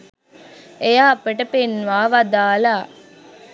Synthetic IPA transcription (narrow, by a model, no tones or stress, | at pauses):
ejaːpeʈɐpenʋaːʋad̪aːlaː